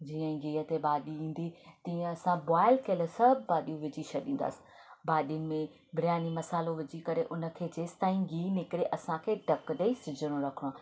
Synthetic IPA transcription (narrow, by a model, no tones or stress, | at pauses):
d͡ʑiːə̃ɡiːɦət̪eɓaːɗiĩːn̆d̪it̪iːə̃ɐsãbaːɪlkɐəlsɐbʱbaːɗijũʋɪd͡ʑiʃʰɐɗĩːn̆d̪a̰ːsɪ̥ | baːɗijʊnɪ̆mẽ | bʱɪɾjaːnimɐsaːloʋɪd͡ʑikɐɾeʔʊnə̆kʰeːd͡ʑeːst̪aːĩɡiːnɪkɪɾeʔɐsãkʰeːɖʱɐkɗeːisɪd͡ʑʱəɽ̃õɾɐkʰɽ̃ã